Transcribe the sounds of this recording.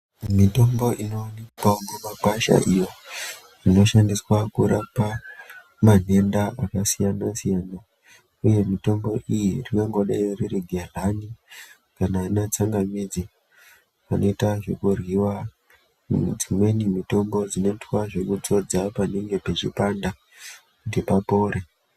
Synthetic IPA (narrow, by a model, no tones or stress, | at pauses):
mito̞mbo̞ʔino̞nikamumaɡʱaʃa̰ʔijo̞ | rino̞ʃandiswakuɾapa | man̤e̞ndaʔakasijanasijaːna | uje̞mito̞mbo̞ʔijirikaŋɡo̞ɗaiririɡʱerani | kanainat͡saŋɡamid͡zi | ano̞itaʐe̞kurwiwa | d͡zimwe̞nimito̞mbo̞d͡zino̞itwaʐe̞kut͡so̞d͡zapaniŋɡe̞pe̞t͡ʃipanda | kutipapo̞ːɾe